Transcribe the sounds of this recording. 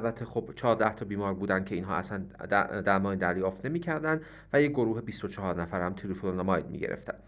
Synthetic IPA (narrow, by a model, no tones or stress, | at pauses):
ælbæt̪ʰːexob̥t͡ʃʰɒːɾd̪æht̪ʰɒbiːmɒːɾbuːd̪æncʰeinɦɒ̰ːʔæ̰sænd̪æd̪æɾmɒːnid̪æɾjɒːft̪nemiːcʰæɾd̪ænd̪ | væjeɡo̞ɾuːɦebist̪ot͡ʃʰɒɦɒːɾnæfæɾhæmt̪ʰilefononɑmɒjd̪mḭːɟḛɾḛft̪æ̰n